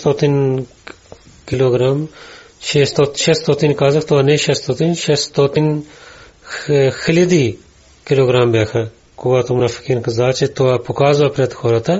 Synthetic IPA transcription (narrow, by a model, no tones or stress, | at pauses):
st̪oːt̪in | kɪloːɡɾaːm | ʃest̪oːʃest̪oːt̪inkaːzəkt̪ʊaːneːʃest̪oːt̪inʃest̪oːt̪in | xʰɪlid̪iː | kɪloːɡɾaːmbeːkʰɐ | kuaːt̪omʊnafɪ̥kiːnkəzaːt͡ʃet̪ʊaːpʊkaːzʋaːpɾɐt̪kʰoːɾat̪a